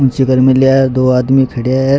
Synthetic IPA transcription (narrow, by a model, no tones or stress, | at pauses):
ʊ̃nt͡ʃikɐɾmelijaɛd̪oːaːd̪mikʰɐɽijaɦɛ